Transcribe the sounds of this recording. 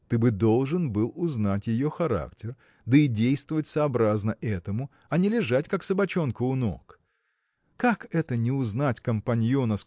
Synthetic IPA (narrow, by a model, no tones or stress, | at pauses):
t̪ɨbɨd̪o̞lˠʐɨnbɨlˠʊznatʲjɪjoxɐɾa̰ktʲɪr | d̪əɪdʲejst̪vəvətʲsɐːbɾaznəʔɛt̪əmʊ | ɐnʲɪlʲɪʐatʲkaksəbɐt͡ɕo̞nkʊʊno̰k | kːakɛt̪ənʲɪʊznatʲkɐmpanʲjonəs